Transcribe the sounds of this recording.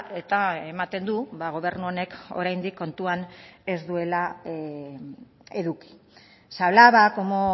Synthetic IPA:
e̞t̪aemat̪e̞nd̪uβaɣ̞o̞βe̞ɾnuone̞ko̞̰ɾajnd̪ikːo̞nt̪uane̞zd̪ue̞la | e̞ðuki̥ | saβlaβakomo

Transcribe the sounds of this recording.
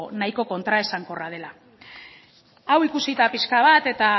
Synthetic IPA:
najko̞ko̞nt̪ɾae̞saŋko̞rað̞e̞la | awikusit̪apiskaβ̞at̪e̞t̪a

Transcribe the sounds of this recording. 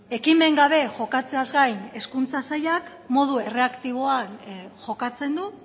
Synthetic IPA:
e̞kime̞ŋɡaβ̞e̞ʝo̞kat͡se̞azɡajne̞skunt͡sasajak | mo̞ð̞ue̞re̞akt̪iβ̞o̞anʝo̞kat͡se̞nd̪u

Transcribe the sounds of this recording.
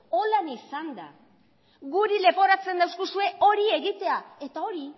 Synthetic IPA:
o̞lanisand̪a̰ | ɣuɾile̞po̞ɾat͡se̞nd̪awskusue̞ʔo̞ɾie̞ɣit̪e̞ae̞t̪ao̞ɾi

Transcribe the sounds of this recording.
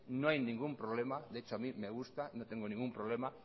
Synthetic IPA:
nõajnĩŋɡumpɾoβlemad̪eet͡ʃoamimeɣ̞ust̪anõt̪eŋɡonĩŋɡumpɾoβlema

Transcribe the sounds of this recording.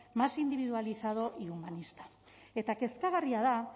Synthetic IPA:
masind̪iβ̞iðualisaðo̞ʔiumanist̪ḁ | e̞t̪ake̞skaɣariaða

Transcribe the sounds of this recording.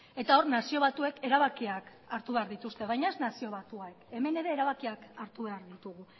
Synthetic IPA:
e̞t̪ao̞ɾnasio̞β̞at̪ue̞ke̞ɾaβakiak | aɾt̪uβe̞aɾðit̪ust̪e̞β̞ajɲae̞znasio̞β̞at̪uaeke̞me̞ne̞ɾe̞ːɾaβakiakaɾt̪uβe̞aɾðit̪uɣu

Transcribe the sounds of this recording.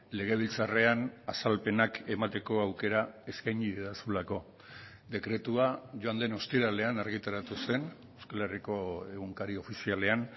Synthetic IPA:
le̞ɣ̞e̞β̞ilt͡sare̞anasalpe̞nake̞mat̪e̞ko̞awke̞ɾae̞skajniðeðasulako̞ | d̪e̞kɾe̞t̪uaʝoand̪e̞no̞st̪iɾale̞anaɾɣit̪aɾat̪use̞n | ewskale̞riko̞e̞ɣuŋkaɾio̞fisiale̞an

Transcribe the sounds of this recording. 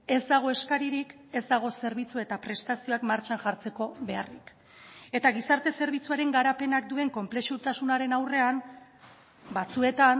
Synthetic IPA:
e̞zd̪aɣ̞o̞e̞skaɾiɾike̞zd̪aɣ̞o̞se̞ɾβit͡sue̞t̪apɾe̞st̪asio̞akmaɾt͡ʃanʝaɾt͡se̞ko̞βe̞a̰rḭk | e̞t̪aɣ̞isaɾt̪e̞se̞ɾβ̞it͡suaɾe̞ŋɡaɾape̞nak̚d̪ue̞ŋko̞mple̞ʃut̪asunaɾe̞nawre̞am | bat͡sue̞t̪an

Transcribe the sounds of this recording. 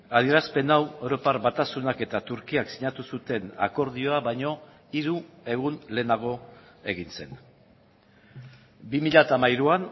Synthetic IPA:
að̞ie̞ɾaspe̞naweɾo̞parβat̪asunake̞t̪at̪uɾkiaksiɲat̪usut̪e̞na̰ko̞ɾðio̞aβajɲo̞ | iɾue̞ɣ̞unle̞ːnaɣ̞o̞ | e̞ɣinse̞n | bimiʎat̪amajɾuan

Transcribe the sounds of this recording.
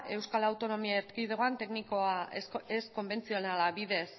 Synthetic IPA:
e̞wskalawt̪o̞no̞miaeɾt̪kiðeɣoant̪e̞knikoaesko̞mbe̞nt͡sio̞nalaβiðe̞s

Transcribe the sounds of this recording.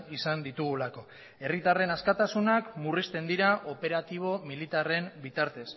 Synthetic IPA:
isand̪it̪uɣ̞ulako̞ | e̞rit̪are̞naskat̪asunakmurist̪e̞nd̪iɾaʔo̞pe̞ɾat̪iβ̞o̞milit̪are̞mbit̪aɾt̪e̞s

